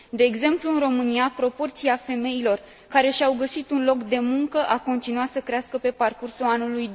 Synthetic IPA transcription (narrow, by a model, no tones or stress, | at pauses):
d̪e̞ːɡze̞mpluɨnɾo̞mɨniapɾo̞po̞rt̪siafe̞me̞jilo̞r | kaɾe̞ʃiawɡəsit̪unlo̞kd̪e̞muŋkəʔako̞nt̪inuat̪səkɾeaskəpe̞parkursuanuluj